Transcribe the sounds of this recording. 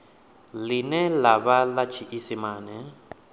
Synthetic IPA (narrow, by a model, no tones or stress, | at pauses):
linɛlaβalat͡ʃʰiʔisimaːnɛ